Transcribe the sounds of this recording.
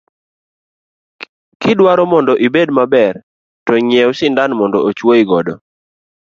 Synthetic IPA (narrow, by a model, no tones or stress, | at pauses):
kɪdwaɾɔmɔndɔʔibedmabɛr | tɔɲɛwsɪndanmɔndɔʔot͡ʃwoiɡɔdɔ